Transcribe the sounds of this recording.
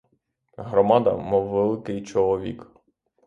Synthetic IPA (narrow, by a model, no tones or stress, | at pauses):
ɦɾɔmɑd̪ɐ̰mɔwːelˠɪkɪjt͡ʃɔlˠɔʋʲḭk